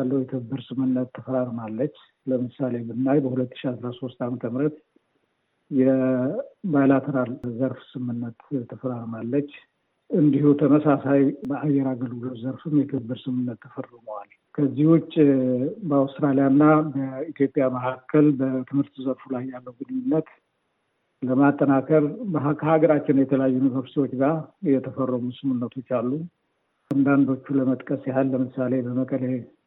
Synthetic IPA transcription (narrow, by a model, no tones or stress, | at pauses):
alːəwjɛt̪ʰɨβɨbːɨɾsɨmɨnːət̪ʰːəfəɾaɾmalːət͡ʃː | ləmɨsale̞bɨnːajbəhulət̪ːɨ̥ʃiasɾaso̞st̪amət̪ʰəmɾət̪ | jɛ | bajlat̪ʰəɾalzəɾfsɨmɨnːət̪ʰːəfəɾaɾmalːət͡ʃː | ɨnd̪ihut̪ʰəməsasajbəʔajːɛɾaɡəlɡulozəɾfɨmjɛt̪ʰɨɨbɨɾsɨmɨnːət̪ʰːəfərɨməwal | kʰəzːihwʊt͡ʃːʼbəawst̪ɾalijanːabəit̪jo̞pʼːjaməhakʰːəlbət̪ʰɨmhɨɾt̪zəɾfulajːalːəwɡɨnɨɲːɪnːət̪ | ləmat̪ʼːənakʰəɾbəɦakʰəhaɡəɾat͡ʃːɪnjɛt̪ʰələjajːujnivəɾst̪iwo̞t͡ʃːɡajɛt̪ʰəfərːəmusɨmunːət̪ʰo̞t͡ʃːalːu | and̪and̪o̞t͡ʃːuləmət̪ʼkʼəsjahalːəmɨsale̞bəməkʼəle